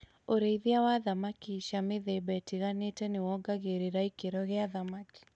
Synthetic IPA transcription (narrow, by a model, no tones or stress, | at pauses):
oɾeiðiawaðamakiʃameðebɛtiɣanetɛnɪwɔɡaɣeɾiɾaikeɾɔɣeaðamaki̥